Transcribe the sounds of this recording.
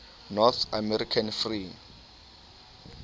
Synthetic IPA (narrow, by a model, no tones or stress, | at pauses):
nɔt̪ʰamɛɾikʰanfri